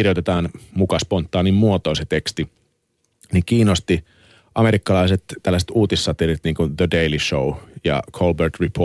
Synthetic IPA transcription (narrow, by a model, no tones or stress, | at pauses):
irjot̪et̪ɑːnmukɑspont̪ːɑːnimmuot̪oːset̪ekst̪i | nikiːnost̪i | ʔɑmeɾikːɑlɑiset̪ːælːæse̥t̪uːt̪isːɑt̪erit̪niːŋkunðədeiliʃoujɑ̰kʰolbert̪ripʰo